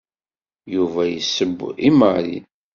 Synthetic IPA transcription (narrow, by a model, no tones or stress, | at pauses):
juvæjəsːəbːiməɾḭ